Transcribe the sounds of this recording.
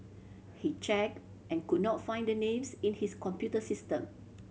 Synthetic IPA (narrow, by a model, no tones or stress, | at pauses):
hit͡ʃɛk̚ | ʔɛ̃nkud̚nɔtfãɪ̃ndənẽmsĩnhiskɔ̃mpjutəsistə̃m